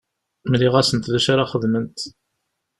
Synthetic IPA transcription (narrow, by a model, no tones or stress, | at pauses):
mliʁæsənt̪ðæʃaɾaχəðmənt̪